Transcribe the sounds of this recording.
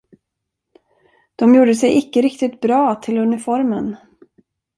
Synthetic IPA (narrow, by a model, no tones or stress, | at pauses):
d̪̥ɔmjuːɖəsɛjɪkːəɾɪkt̪ɪt̪̚bɾɑːt̪ʰɪlɵnɪfɔɾmən